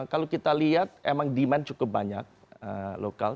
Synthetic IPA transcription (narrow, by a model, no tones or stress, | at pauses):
kalokit̪aliɦat̪̚emaŋdimant͡ʃukʊp̚baɲa̰k̚ | ə̰loka̰l